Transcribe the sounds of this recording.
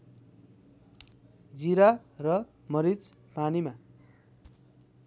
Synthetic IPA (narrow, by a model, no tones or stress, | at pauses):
d͡ziɾarʌ | mʌɾit͡s | panima